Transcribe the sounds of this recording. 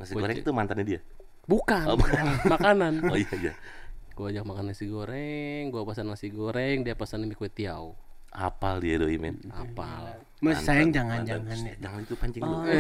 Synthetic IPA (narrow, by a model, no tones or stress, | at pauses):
ŋasiɡoɾɛŋt̪umant̪anɲadia | bukamakananoijaija̰ | ɡod͡ʒak̚makanaasiɡoɾɛŋɡuapasanŋasiɡoɾɛŋdiapasanimikuɛt̪iau | a̰paldiadoimɛ̰na̰pal | masajaŋd͡ʒaŋand͡ʒaŋanad͡ʒaŋant̪upaɲd͡ʒɛŋ